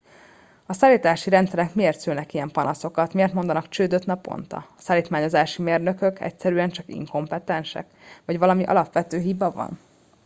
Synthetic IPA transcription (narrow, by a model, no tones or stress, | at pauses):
ɒsaːliːt̪aːʃiɾɛnt̪sɛɾɛkmieːrt̪sylnɛkijɛmpɒnɒso̞kɒt̪miert̪mo̞nd̪ɒnɒkt͡ʃøːd̪øt̪nɒpo̰nt̪ɒ̰ɒsaːliːt̪maːɲo̞zaːʃimeːrnø̞kø̞kʰɛ̰csɛɾyɛnt͡ʃɒkḭŋko̞mpɛt̪ɛnʃɛ̰k | ʋɒɟʋɒlɒmiʔɒ̰lɒpʋɛt̪øːɦibɒvɒ̰n